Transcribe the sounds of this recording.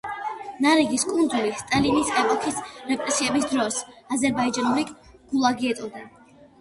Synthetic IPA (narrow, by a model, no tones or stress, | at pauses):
naɾiɡiskʼund̪zulist̪ʼalinisɛpʼɔkʰisɾɛpʼɾɛsiɛbisd̪ɾɔsazɛɾbaid͡ʒanuɾi | ɡ̥ulˠaɡiɛt̪ʼɔd̪a